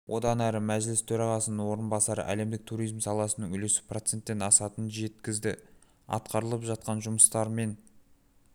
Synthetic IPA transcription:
wʔo̞d̪ɑnæɾɪmæʒlɪst̪ʰɵɾɑʁɑsənənwo̞ɾənbɑsɑɾə̰ʔæ̰le̞md̪ɪk̚t̪ʰuɾijzmsɑlˠɑsənəŋʏlesɪ̥pʰro̞t̪se̞nt̪ːe̞nɑsɑt̪ənʒe̞t̪kʲɪzd̪ɪ | ɑ̰t̪qɑɾəlˠəpʒɑt̪̚qɑnʒʊməst̪ɑɾme̞n

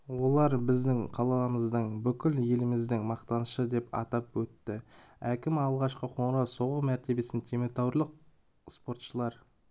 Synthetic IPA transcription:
wo̞lˠɑɾbɪzd̪ɪŋqʰɑlˠɑlˠməzd̪əɴbʏkʲɪlje̞lɪmɪzd̪ɪŋmɑqt̪ɑnəʃəd̪e̞pɑ̰t̪ɑpwɵt̪ːɪækʲɪmɑlˠʁɑʃqəqʰo̞ɴɾɑwso̞ʁəmæɾt̪e̞be̞sɪnt̪ʲʰemet̪awɾlˠəq̚ | spo̞ɾt̪ʃəlˠɑɾ

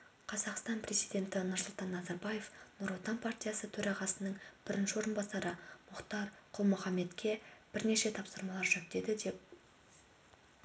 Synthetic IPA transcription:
qʰɑzɑqst̪ɑnpre̞zijd̪ʲe̞nt̪ɪnʊɾsʊlˠt̪ɑnːɑzɑɾbɑje̞fnʊɾot̪ɑnpʰart̪ʲijasət̪ʰɵɾɑʁɑsənəɴb̥ɪɾɪnʃɪwo̞ɾənbɑsɑɾəmʊqt̪ɑɾqʰʊlˠmʊχɑmːe̞t̪kʲʰe̞b̥ɪɾne̞ʃe̞t̪ʰɑpsəɾmɑlˠɑɾʒɵp̚t̪e̞d̪ɪd̪e̞p̚

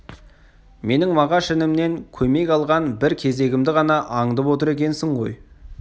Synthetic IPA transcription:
me̞nɪŋmɑʁɑʃɪnɪmne̞ŋkʲʰɵme̞kʲɑlˠʁɑnbɪɾkʲʰe̞ze̞ɡʲɪmd̪ɪʁɑnɑʔɑɴd̪əpwo̞t̪əɾe̞kʲe̞nsɪɴʁo̞̰j

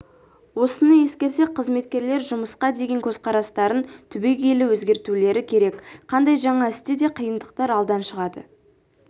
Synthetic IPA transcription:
wo̞sənəje̞skʲe̞ɾse̞k̚qʰəzme̞t̪kʲe̞ɾle̞ɾʒʊməsqɑd̪e̞ɡʲe̞ŋkʲʰɵzqʰɑɾɑst̪ɑɾənt̪ʰʏbe̞ɡʲelɪwɵzɡʲe̞ɾt̪ule̞ɾɪkʲʰe̞ɾe̞kqʰɑnd̪ɑjʒɑɴɑɪst̪ed̪e̞qʰijənd̪əqt̪ɑɾɑlˠd̪ɑnʃəʁɑd̪ə̰

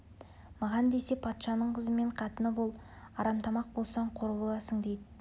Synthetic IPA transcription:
mɑʁɑnd̪e̞se̞pʰɑt̪ʃɑnəɴqʰəzəme̞ɴqʰɑt̪ənəbolˠɑɾɑmt̪ʰɑmɑq̚bo̞lˠsɑɴqʰo̞ɾbolˠɑsəɴd̪ejd̪ɪ

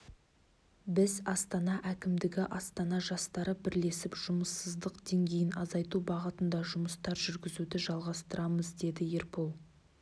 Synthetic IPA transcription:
bɪzɑst̪ɑnɑʔækʲɪmd̪ɪɡʲɪʔɑst̪ɑnɑʒɑst̪ɑɾəbɪɾle̞sɪpʒ̥ʊməsːəzd̪əqd̪̥e̞ŋɡʲe̞jɪnɑzɑjt̪ubɑʁət̪ənd̪ɑʒʊməst̪ɑɾʒʏɾɡʲɪzud̪ɪʒɑlˠʁɑst̪əɾɑməzd̪e̞d̪ɪjeɾpolˠ

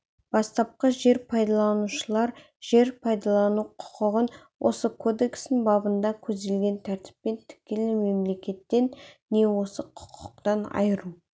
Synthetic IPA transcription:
b̥ɑst̪ɑp̚qəʒe̞ɾpʰɑjd̪ɑlˠɑnuʃəlˠɑɾ | ʒ̥e̞ɾpʰɑjd̪ɑlˠɑnuqʰʊ̥qəʁən | wʔo̞̰səkʰo̞d̪e̞kst̪ɪnbɑbənd̪ɑkʲʰɵzd̪e̞lɡʲe̞nt̪ʰæɾt̪ɪ̥pːe̞nt̪ʰɪ̥kʲelɪme̞mle̞kʲe̞t̪ːe̞nːe̞wo̞səqʰʊ̥qʰə̥q̚t̪ɑnɑ̰jəɾu

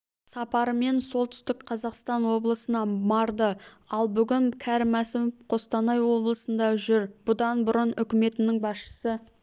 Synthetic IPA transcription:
sɑpɑɾəme̞nso̞lˠt̪ʏ̥st̪ɪkqʰɑzɑqst̪ɑnwo̞blˠəsənɑmɑɾd̪ə | ɑlˠbʏɡʲɪŋkʲʰæɾmæsɪmfqʰo̞st̪ɑnɑjwo̞blˠəsənd̪ɑʒʏɾb̥ʊd̪ɑnbʊɾənʏkʲɪme̞t̪ɪnɪŋbɑsʃə̥sə

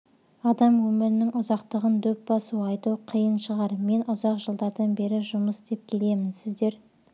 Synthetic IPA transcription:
ɑd̪ɑmwɵmɪɾɪnɪŋʔʊzɑqt̪əʁənd̪ɵp̚bɑsuɑjt̪uqʰijənʃəʁɑɾme̞nʔʊzɑqʒəlˠd̪ɑɾd̪ɑnbe̞ɾɪʒʊməsd̪e̞p̚kʲʰe̞le̞mɪnsɪzd̪e̞ɾ

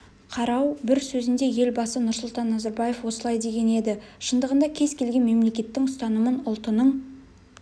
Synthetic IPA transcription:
qʰɑɾɑwbɪɾsɵzɪnd̪e̞je̞lbɑsənʊɾsʊlˠt̪ɑnːɑzɑɾbɑje̞fwo̞səlˠɑjd̪e̞ɡʲe̞ne̞d̪ɪʃənd̪əʁənd̪ɑkʲʰe̞zkʲʰe̞lɡʲe̞nme̞mle̞kʲe̞t̪ːɪŋʊst̪ɑnəmənʊlˠt̪ənəɴ

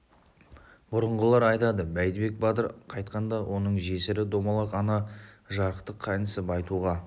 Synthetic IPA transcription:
bʊɾəɴʁəlˠɑɾɑjt̪ɑd̪əbæjd̪ɪbe̞k̚bɑt̪əɾqʰɑjt̪qʰɑnd̪ɑwo̞nəɴʒe̞sɪɾɪd̪o̞mɑlˠɑqɑnɑʒɑɾəqt̪əqʰːɑnəsɪbɑjt̪uʁɑ

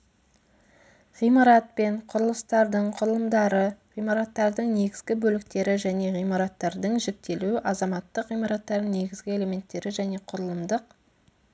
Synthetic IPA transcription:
ʁijmɑɾɑt̪̚pe̞ɴqʰʊɾəlˠəst̪ɑɾd̪əɴqʰʊɾəlˠəmd̪ɑɾəʁijmɑɾɑt̪ːɑɾd̪əɴne̞ɡʲɪzɡʲɪbɵlɪk̚t̪e̞ɾɪʒæne̞ʁijmɑɾɑt̪ːɑɾd̪əɴʒek̚t̪e̞luɪʔɑzɑmɑt̪ːəqʁijmɑɾɑt̪ːɑɾd̪əne̞ɡʲɪzɡʲɪe̞le̞me̞nt̪ːe̞ɾɪʒæne̞qʰʊɾəlˠəmd̪əq

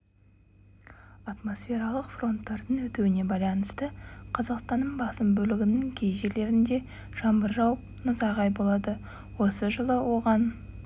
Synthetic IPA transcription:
ɑt̪mo̞sfʲe̞ɾɑlˠəqfro̞nt̪ːɑɾd̪ənwɵt̪ewɪne̞bɑjlˠɑnəst̪əqʰɑzɑqst̪ɑnːəɴbɑsəmbɵlɪɡʲɪnɪŋkʲʰe̞jʒe̞le̞ɾɪnd̪e̞ | ʒ̥ɑmbəɾʒɑwəp̚nəzɑʁɑjbo̞lˠɑd̪ə | wo̞səʒəlˠəwo̞ʁɑn

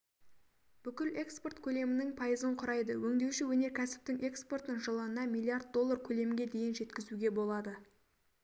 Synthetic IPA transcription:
b̥ʏkʲɪle̞kspo̞rt̪kʲʰɵle̞mɪnɪŋpʰɑjəzəɴqʰʊɾɑjd̪əwɵŋd̪e̞wʃɪwɵne̞ɾkʲʰæsɪ̥p̚t̪ɪŋe̞kspo̞rt̪nəŋʒəlˠəənɑmijlˠiard̪̚d̪o̞lˠːarkʲʰɵle̞mɪɡʲe̞d̪e̞jɪnʒe̞t̪kʲɪzuɡʲe̞bo̞lˠɑd̪ə

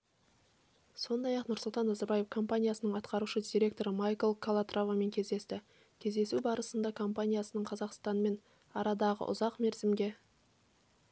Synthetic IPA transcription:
so̞nd̪ɑjɑqnʊɾsʊlˠt̪ɑnːɑzɑɾbɑje̞fkʰo̞mpanʲijasənəɴɑt̪qɑɾuʃəd̪ʲiɾʲe̞k̚t̪o̞ɾəmajkolˠkʰolˠat̪rʔovame̞ŋkʲʰe̞zd̪e̞st̪ɪ | kʲʰe̞zd̪e̞subɑɾəsənd̪ɑkʰo̞mpanʲijasənəɴqʰɑzɑqst̪ɑnme̞n | ɑɾɑd̪ɑʁə̰ʔʊ̰zɑqme̞ɾzɪmɡʲe̞

